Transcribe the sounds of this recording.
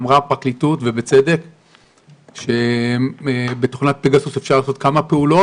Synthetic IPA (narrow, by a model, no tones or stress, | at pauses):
mʁapaklitutvebet͡sede̞k | ʃe | betoχnat̚peɡasusefʃaʁlaːso̞t̪̚kamape̞ulo̞